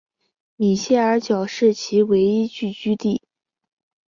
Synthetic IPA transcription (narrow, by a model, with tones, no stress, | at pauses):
mi˨˩ɕjɛ˥˩ə˞˧˥t͡ɕjɑ˨˩ʊʂɻ̩˥˩t͡ɕʰi˧˥we˧˥ɪi˥t͡ɕy˥˩t͡ɕy˥t̪i˥˩